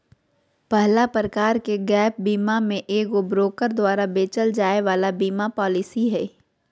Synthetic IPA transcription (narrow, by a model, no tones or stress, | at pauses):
pɛɦlapɾəkaːɾkeɡɛːp̚biːmamẽʔeːkobɾoːkəɾd̪waːɾabeːt͡ʃəld͡ʒaːeʋaːlabiːmapɔːlɪsiɦɛː